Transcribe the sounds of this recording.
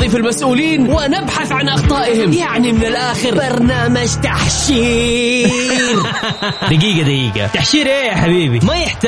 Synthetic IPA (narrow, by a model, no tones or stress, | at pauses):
ifilmasʔuːliːnwɪnɪbħaθʕanʔɑxt̪ˤɑːʔɪhɪmjaʕnimɪnɪlʔaːxɪɾbɑɾˤnaːmad͡ʒt̪aħʃiː | ɾ | d̪aɡiːɡad̪aɡiːɡa̰t̪aħʃiːɾʔeːjaħabiːbimajɪħt̪